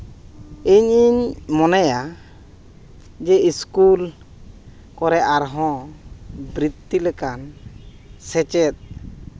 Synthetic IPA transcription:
iɲiɲmɔnaja | d͡ʒɛiskul | kɔɾɛʔaɾɦɔ̃ | bɾit̪ːilɛkan | sɛt͡ʃɛt̪̚

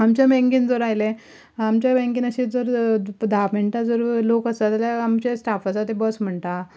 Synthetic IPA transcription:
amt͡ɕabẽŋkiːnd͡zəɾajle | amt͡ɕabɛ̃ŋkinəɕid͡zəɾd̪ʱapməɳʈ̪ad͡zəɾlokəsat̪aljaamt͡ɕesʈafat͡sat̪ebəsm̤əɳt̪a

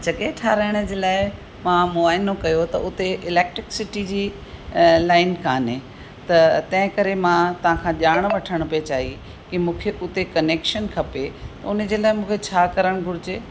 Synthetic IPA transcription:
d͡ʑɐɠeʈʰaːɾaːɪɽ̃ʊ̆d͡ʑeːlaːɪ | mãmʊaːɪnokɐjot̪ɐ̰ʊt̪eʔɪleːk̚ʈɾɪksɪʈid͡ʑiː | laːɪnkʰaːnẽ | t̪ɐt̪ɐ̃ɦɪ̃kɐɾemãt̪ɐʋ̤ãkʰãʄaːɽ̃ʋɐʈʰəɽ̃ʊpet͡ɕaːɦi | kimũːkʰeʔʊt̪ekɐneːkʃənkʰɐpet̪ɐʊnə̆d͡ʑeːlaːɪmũːkʰet͡ɕʰaːkɐɾəɽ̃ɡʱʊɽɪd͡ʑeː

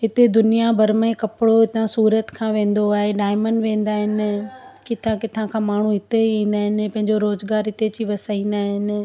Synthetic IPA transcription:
ɦɪt̪ed̪ʊnijabʱɐɾmə̃ẽkɐpɪɽoɦɪt̪ãsuːɾət̪kʰãːʋẽːn̆d̪oaːɦeɖaːɪməɳɖʋẽːn̆d̪aːɦɪnɪ̆kɪt̪ʰãkɪt̪ʰãkʰãːmaːɳ̤uɦɪt̪eĩːn̆d̪aːɦɪnɪ̆pɐ̃ɦɪ̃ɲd͡ʑoɾoːzɡaːɾɦɪt̪et͡ɕiʋɐsaːĩːn̆d̪aːɦɪnɪ̆

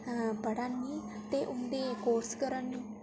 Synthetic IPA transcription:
bəɽanːiː | t̪eːʔʊnd̪eːkoːɾskəɾənːũː

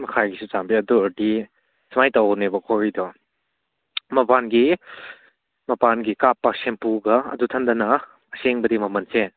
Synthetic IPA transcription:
mɐkʰajɡisut͡ʃambiɐduɾdi | sɐmajtawnebɐkʰɔɹijdɔ | mɐpanɡi | mɐpanɡikapːɐsempuɡɐɐ̰dutʰɐndɐnɐ | ɐseŋbɐdimɐmɐnse

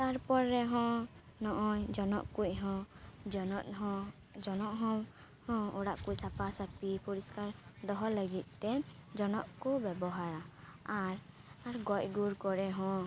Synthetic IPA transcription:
t̪aɾpɔɾːɛɦɔ̃nɔʔɔjd͡ʒɔnɔ̰ʔkucˀɦɔ̃nɔt̪ɦɔ | d͡ʒɔnɔʔɦɔ̃ | hɔ̃ɔɽaʔkucsapasat̪ipuɾiskaɾd̪ɔɦɔləɡit̪̚ˀt̪ɛd͡ʒɔnɔʔkubɛbɔɦaɾa | aɾ | aɾɡɔcɡuɾkɔɾɛɦɔ̃

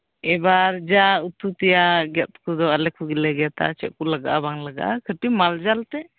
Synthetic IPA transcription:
ɛbaɾd͡ʒaut̪ut̪ɛjaɡɛt̪̚kud̪ɔalɛkʰuɡilɛɡat̪a̰t͡ʃɛ̰ʔ̚kulaɡa̰ʔabaŋlaɡa̰ʔakʰəʈimald͡ʒalt̪ɛ

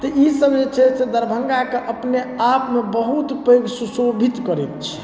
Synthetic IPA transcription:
t̪əisəbd͡ʒet͡ʃʰɛsed̪əɾbʱəŋɡakeʔəpneapmebəɦut̪peɡsusobʱit̪kəɾɛt̪t͡ʃʰɛ̥

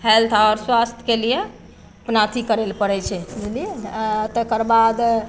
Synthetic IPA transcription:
ɦɛlt̪ʰɔɾswast̪ʰəkelije | pnat̪ʰikəɾelpəɽɛt͡ʃʰɛd͡ʒlit̪əkəɾbad̪

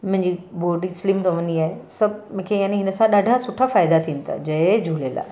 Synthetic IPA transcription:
mʊ̃ɦɪ̃ɲd͡ʑiboːɖislɪmɾɐʋəniaːɦesɐbʱmʊ̃kʰejaːniɦɪnəsãɗaːɖʱasʊʈʰafaːɪd̪at̪ʰĩːnɪt̪ʰa̰d͡ʑɐd͡ʑʱulela̰ːɦe

